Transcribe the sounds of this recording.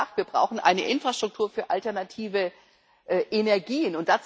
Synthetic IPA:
axtviːɐbʁa̰ʊxn̩ʔa̰ɪnə̰ʔɪnfʁ̥aʃtʁ̥ʊk̚tʰuːɐfyːɐʔaltɛɐnatʰiːvə | ʔɛːʔenɛɐɡiːənʊnt̚d̥at͡s

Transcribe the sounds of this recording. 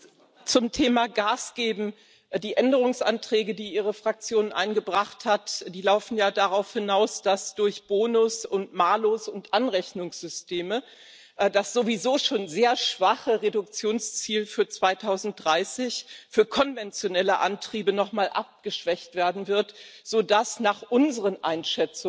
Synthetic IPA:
t͡sʊmtʰeːmaɡaːsɡ̥eːbm̩ | d̥iːʔɛndəʁ̞ʊŋsʔa̰ntʁ̥ɛːɡədiːʔiːʁəfʁ̥ak̚t͡sjoːnʔa̰ɪnɡəbʁaχthatd̥iːlaʊfn̩jaːdaʁaʊfhɪnaʊsd̥asd̥ʊɐçb̥oːnʊsʊntmaːloːsʊntʔanʁɛçnʊŋsz̥ʏstʰeːmə | dasz̥ovizoːʃoːnzeːɐʃv̥aχəʁedʊk̚t͡sjoːnst͡siːlfyːɐt͡sv̥aɪtʰaʊzn̩t̚d̥ʁaɪsɪçfyːɐkʰɔnvɛnt͡sjonɛləʔa̰ntʁ̥iːbənɔχmaːlʔa̰p̚ɡ̥əʃv̥ɛçtv̥eːɐdn̩vɪɐtz̥oːdasnaːχʔʊnzəʁənʔa̰ɪnʃɛt͡sʊ

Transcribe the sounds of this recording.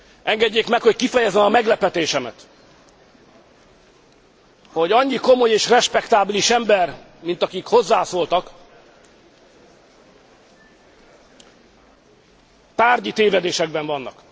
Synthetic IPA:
ʔɛŋɡɛɟːeːkmɛkho̞ckifɛjɛzɛmɒmɛɡlɛpɛt̪eːʃɛmɛt̪ | ho̞ɟɒɲːiko̞mo̞jeːʃrɛʃpɛkt̪aːbiliʃɛmbɛrmint̪ɒkikho̞zːaːsoːlt̪ɒk | t̪aːrɟit̪eːvɛd̪eːʃɛɡ̚bɛɱvɒnːɒ̰k

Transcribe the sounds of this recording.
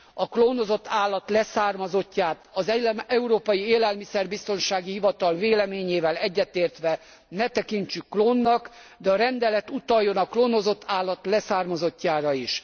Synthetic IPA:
ɒkloːnozo̞t̪ːaːlːɒt̪lɛsaːrmɒzo̞cːaːt̪ɒzɛuɾoːpɒjieːlɛlmisɛrbist̪o̞nʃaːɡihivɒt̪ɒlveːlɛmeːɲeːvɛlɛɟːɛt̪eːrt̪ʋɛ | nɛt̪ɛkiɲt͡ʃykːloːnːɒk | d̪ɛɒɾɛnd̪ɛlɛt̪ut̪ɒjːo̞nɒkloːnozo̞t̪ʰːaːlːɒt̪lɛsaːrmɒzo̞cːaːɾɒiʃ

